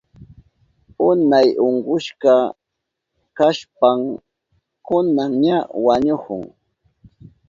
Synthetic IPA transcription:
ʊnajʔoɴɢʊʃkɑ | kaʃpam | kʊnaŋɲawaɲʊhʊ̰ŋ

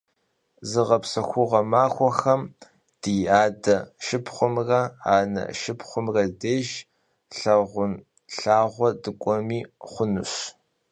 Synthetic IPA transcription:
zɨʁɐpsɐxʷʊʁɐmaːxʷɔxɐm | d̥iaːdɐʃɪpχʷʊmrɐaːnɐ̰ʃɪpχʷʊmrɐdeːʒ | ɬɐʁʷʊn | ɬaːʁʷɔdɨkʷʼɔmiːχʷʊnɨ̰ɕ

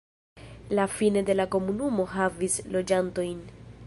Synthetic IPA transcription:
lafine̞de̞lako̞munumo̞ɦavislo̞d͡ʒanto̞jn

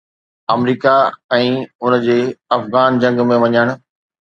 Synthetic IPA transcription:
ɐmɾiːkaɛ̃ːʊn̆d͡ʑeːɐfɣaːnd͡ʑɐ̃ŋɡmẽʋɐɲəɽ̃ʊ̆

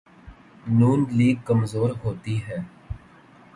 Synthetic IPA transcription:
nuːnliːɡ̚kəmzoːɾɦoːt̪iɦɛː

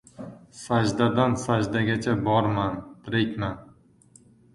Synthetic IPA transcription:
sad͡ʒd̪ad̪ansad͡ʒd̪aɡʲat͡ʃʰabɒɾmant̪ʰɾekʲman

